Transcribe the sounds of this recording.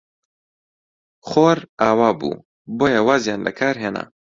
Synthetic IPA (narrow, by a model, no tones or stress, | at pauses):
xoːɾaːwaːbṵː | boːjɐwaːzjaːnlɐ̰kʰaːɾɦeːna̰